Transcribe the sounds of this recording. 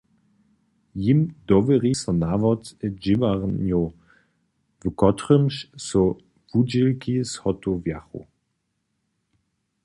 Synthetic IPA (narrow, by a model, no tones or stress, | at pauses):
jimdɔvəʁisɐnaːvɔtəd͡ʒivaʁnjo | vəkʰɔtʁəmʃso | vud͡ʒɪlkʰishɔtʰovjaχo̰